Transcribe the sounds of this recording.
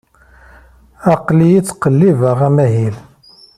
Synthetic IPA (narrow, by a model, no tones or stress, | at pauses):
ɑqlijit͡sːqəlːivəʁæmæɦil